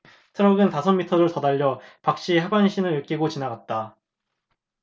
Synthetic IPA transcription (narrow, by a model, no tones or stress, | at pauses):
tʰɯɾʌɡɯntasʰʌmitʰʌɾotʌdaʎːʌpak̚ɕ͈iɦabanɕʰinɯɭɯk͈iɡot͡ɕinaɡat̚t͈a